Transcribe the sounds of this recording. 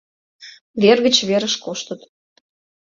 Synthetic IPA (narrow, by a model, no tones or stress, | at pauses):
βerɣət͡ɕβeɾəʃkoʃt̪ət̪